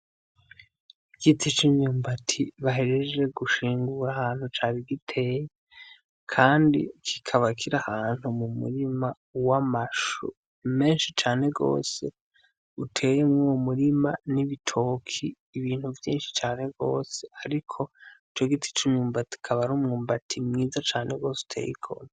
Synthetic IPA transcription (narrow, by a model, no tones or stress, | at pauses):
ɡ̥itʰit͡ʃimɲuːmbatʰiβaɦeɾed͡ʒe̞ɡuʃiːŋɡuɾahaːn̥hut͡ʃaːβiɡitʰe̞ːjee | kʰaːndḭkʰikʰaβakʰiɾahaːn̥humumṵɾima | wamaʃṵ | me̞ːnʃit͡ʃaːne̞ɡo̞̰ːse̞̰ | utʰe̞jemŋumuɾimaniβitʰo̞ːkʰiːβiːn̥huvjḭːnʃi̥t͡ʃaːne̞ɡo̞̰ːse̞aɾikʰo̞it͡ʃo̞ɡitʰi̥t͡ʃuɲuːmbati̥kʰaβaɾumŋuːmbatʰimŋiːzat͡ʃaːneɡo̞ːsu̥tʰe̞̰jḭkʰo̰na